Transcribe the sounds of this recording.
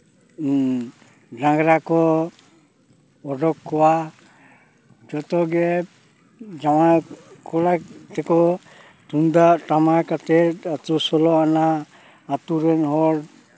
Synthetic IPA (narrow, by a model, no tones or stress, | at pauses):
dãŋɡɾakɔ | ɔɖɔkʰːɔwa | d͡ʒɔt̪ɔɡɛ | d͡ʒamakʰɔɽat̪ɛkɔ | tund̪atamakat̪ɛatɔsɔlɔanaː | t̪uɾɛnɦɔɾ